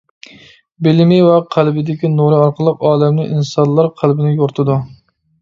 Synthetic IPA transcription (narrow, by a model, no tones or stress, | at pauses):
bɪlmɪwɛqʰælbɪd̪ɪkʲinuɾɨɑɾqʰəlˠəqɑːlɛmnɪʔinsɑnlˠːɑɾqʰælbɪnɪjoɾt̪ʰɨd̪u